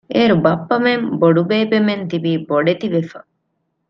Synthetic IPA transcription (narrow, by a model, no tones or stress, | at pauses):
ʔeːɾubɐpːɐmemboɖubeːbement̪ibiːboɖet̪iʋefɐ